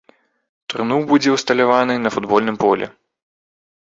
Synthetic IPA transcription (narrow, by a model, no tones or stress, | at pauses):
t̪rɨnuwbud͡zʲɛwst̪ɐlʲavanɨnɐfud̪bɔlʲnɨmpɔlʲɛ̰